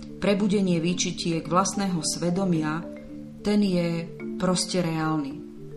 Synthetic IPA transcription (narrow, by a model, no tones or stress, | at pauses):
pɾɛbuɟɛɲɪɛʋit͡ʃicɪɛɡʋlasnɛːɦɔsʋɛd̪ɔmɪa | t̪ɛnjɛpɾɔscɛɾɛaːlni